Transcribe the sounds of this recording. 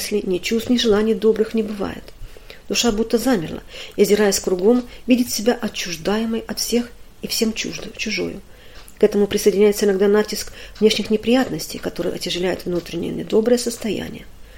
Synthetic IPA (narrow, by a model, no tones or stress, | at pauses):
sʲlʲɪnʲɪt͡ɕust̪nʲɪʐɨlˠanʲɪjd̪o̞bɾɨxnʲɪbɨva̰jɪ̰t̪ | d̪̥ʊʂabut̪ːəzamʲɪrlˠə̰izʲɪɾajɪsʲkɾʊɡo̞mvʲidʲɪt̪ʲsʲɪbʲaʔɐt͡ɕːʊʐd̪ajɪməjɐt̪fsʲe̞x | ifsʲe̞mt͡ɕʊʐo̰jʊ̰ | kɛt̪əmʊpɾʲɪsəjɪdʲɪnʲæjɪt̪səɪnɐɡd̪anatʲːɪskvnʲe̞ʂnʲɪxnʲɪpɾʲɪjat̪nəsʲtʲɪjkɐt̪o̞ɾɨjə̰ɐ̰tʲɪʐɨlʲæjʊ̰t̪vnut̪ɾʲɪnʲɪ̰jə̰nʲɪd̪o̞bɾəjəsəst̪ɐjæ̰nʲɪ̰jə